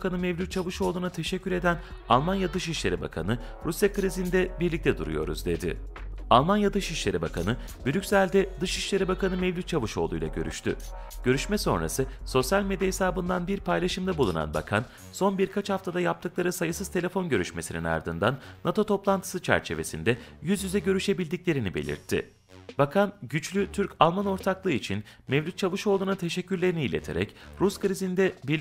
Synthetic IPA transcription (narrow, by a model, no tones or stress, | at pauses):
kanɯmevlut̪̚t͡ʃʰavɯʃo̞lˠuːnat̪ʰe̞ʃɛcʰːyɾe̞d̪ænalˠmanjad̪ɯʃiʃlʲe̞ɾiba̰kʰanɯɾusjakɯɾizind̪ɛbiɾlʲic̚t̪ʰɛd̪uɾṵjo̞̰ɾṵzd̪e̞d̪ɪ̰alˠmanjad̪ɯʃiʃlʲe̞ɾibakʰanɯ | bylycʲsælʲd̪ɛd̪ɯʃiʃlʲe̞ɾibakanɯmevlʲyt̪t͡ʃʰavɯʃo̞̰lˠṵjlˠa̰ɟø̞̰ɾy̰ʃt̪ʰy̰ɟ̥ø̞ɾyʃmɛso̞̰nɾa̰sɯso̞sjalʲme̞d̪ijahesaːbɯnd̪anbiɾpʰajlʲaʃɯmd̪abulˠuna̰nba̰kʰan | so̞nbiɾkʰat͡ʃhaft̪ʰad̪ajap̚t̪ʰɯklˠaɾɯsajɯsɯzt̪ʰee̞fo̞nɟø̞ɾyʃme̞sinḭna̰ɾd̪ɯnd̪anːat̪ʰo̞t̪ʰo̞plˠant̪ʰɯ̥sɯt͡ʃʰæ̰ɾt͡ʃʰe̞ve̞̰sḭnd̪ɛjyzjyzɛɟø̞ɾyʃe̞bilʲd̪iclʲe̞ɾinibe̞̰lʲḭɾt̪ʰːɪ̰ | b̥akʰanɟyt͡ʃlʲyt̪ʰyɾcalˠmano̞ɾt̪ʰaklˠɯːit͡ʃʰinmevʲyt̪t͡ʃʰavɯʃo̞lˠuːnat̪ʰe̞ʃɛcːyɾlʲe̞ɾiniːlʲe̞̰t̪ʰe̞ɾɛ̰cɾuskɾizind̪ɛbi